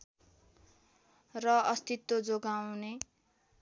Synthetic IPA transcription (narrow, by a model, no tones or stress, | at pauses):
rʌʌst̪it̪ːod͡zoɡawne